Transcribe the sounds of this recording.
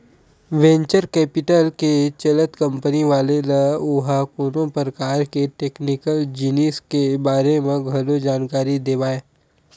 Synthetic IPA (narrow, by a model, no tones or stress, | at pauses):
ʋɛ̃ːɲt͡ʃəɾkɛːpɪʈəlket͡ʃɐlət̪kɐ̃mpəniʋaːlelaʊɦakuːnõpəɾəkaːɾkeʈeːknɪkəld͡ʒɪniːskebaːɾemẽɡʱɐlod͡ʒaːnkaːɾid̪eːʋaːeː